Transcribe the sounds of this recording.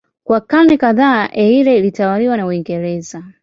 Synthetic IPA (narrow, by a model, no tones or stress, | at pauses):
kwakanɛkaðaːʔɛiɾɛilitawaliwanauiŋɡɛɾɛza